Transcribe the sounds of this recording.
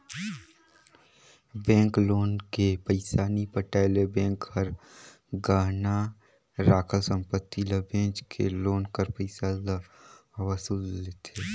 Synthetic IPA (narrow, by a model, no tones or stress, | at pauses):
bɛ̃ːŋkloːnkepəɪsaːnipəʈaːlebɛ̃ːŋkhəɾ | ɡaːɦna | ɾaːkʰəlsə̃mpət̪ːiləbẽːt͡ʃkʰḛloːnkəɾpəɪsalaʋəsulleːt̪eː